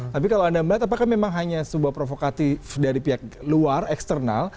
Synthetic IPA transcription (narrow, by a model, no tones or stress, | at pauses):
t̪ap̬ikaloandaməat̪ap̬akahmemaŋɦaɲasəbuapɾofokat̪ɪfdaɾipiɦak̚luarɛkst̪ərna̰l